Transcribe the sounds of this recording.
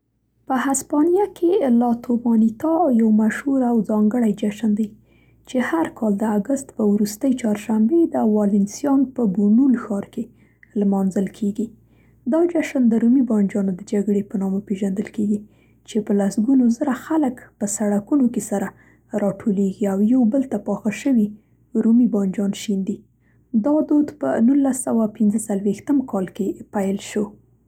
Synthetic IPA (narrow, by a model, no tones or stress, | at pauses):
pəhaspɑnjakʰelɑt̪ʰobɑnit̪ɑjawmaʃhuɾawzɑŋɡəɽajd͡ʒaʃənd̪aj | t͡ʃehaɾkʰɑld̪əaɡəst̪pəwɾust̪əjt͡ʃɑɾʃambed̪əwɑlɪnsjɑnpəbunulxɑɾke | lmɑnzəlkʰeɡi | d̪ɑd͡ʒaʃənd̪əɾumibɑnd͡ʒɑnod̪əd͡ʒaɡɽepənɑmopeʒand̪əlkeɡi | t͡ʃepəlasɡunozəɾaxaləkpəsaɽakunokesaɾa | ɾɑʈʰoleɡiawjawbəlt̪apɑxaʃəwi | ɾumibɑnd͡ʒɑnʃind̪i | d̪ɑd̪od̪pə̰nulːasawapɪnzət͡salwext̪əmkɑlkepajlʃo